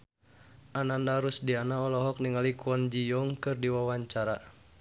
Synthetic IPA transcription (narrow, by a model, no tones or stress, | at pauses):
ʔanandaɾusdianaɔlɔɦɔk̚niŋalikuɔnd͡ʒijɔŋkɨrdiwawaɲt͡ʃaɾa